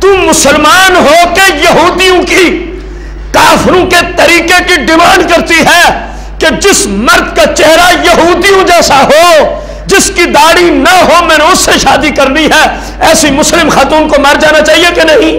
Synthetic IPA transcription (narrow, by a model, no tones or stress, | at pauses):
t̪umʊsəlmaːnɦokejɐɦuːd̪ijõki | kaːfɾõket̪ɐɾiːkekiɖɪmaːnɖkɐɾt̪iɦɛː | ked͡ʒɪsmɐɾd̪kat͡ʃɛɦɾajɐɦuːd̪ijõd͡ʒɛːsaɦoː | d͡ʒɪskid̪aːɽinɐɦomɛ̃ːneʊsːeʃaːd̪ikɐɾniɦɛ | ɛːsimʊslɪmxaːt̪uːnkomɐɾd͡ʒaːnat͡ʃaːɦiekenɐɦĩː